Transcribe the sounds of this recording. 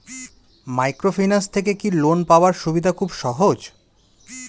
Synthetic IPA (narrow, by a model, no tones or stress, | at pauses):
majkɾofijnast̪ʰek̬ekilonpaoaɾʃubid̪ʱakʰubʃɔɦod͡ʑ